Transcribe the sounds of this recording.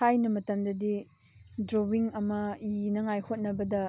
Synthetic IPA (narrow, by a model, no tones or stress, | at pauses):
ajnɐmɐtɐmdɐdi | dɾowiŋɐmɐinɐŋajhot̚nɐbɐdɐ